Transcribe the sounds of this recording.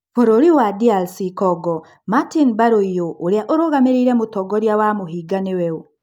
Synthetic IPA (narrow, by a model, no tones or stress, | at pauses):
foɾoɾiwadialsikɔɡɔ | matinbaɾoijoʔoɾeaʔoɾoɣameɾiɾɛmotɔɡɔɾjawamoɦiɡanewɛo